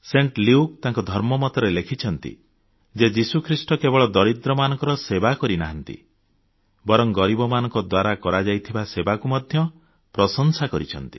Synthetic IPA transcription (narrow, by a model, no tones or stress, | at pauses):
seɳʈliuk̚t̪ãŋkɔd̪ʱɔɾmɔmɔt̪ɔɾelekʰit͡ʃʰɔnt̪ḭ | d͡ʒed͡ʒisukʰɾisʈɔkebɔɭɔd̪ɔɾit̪ɾɔmanɔ̃ŋkɔɾɔsebakɔɾinaɦant̪ḭ | bɔɾɔŋɡɔɾibɔmanɔ̃ŋkɔd̪waɾakɔɾad͡ʒajt̪ʰibasebakumɔd̪ʱjɔ | pɾɔsɔŋsakɔɾit͡ʃʰɔ̰nt̪i̥